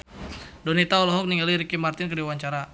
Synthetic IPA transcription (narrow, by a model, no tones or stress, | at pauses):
donit̪aɔlɔɦɔk̚niŋɡaliɾikimart̪ɪnkədiwwaɲt͡ʃaɾa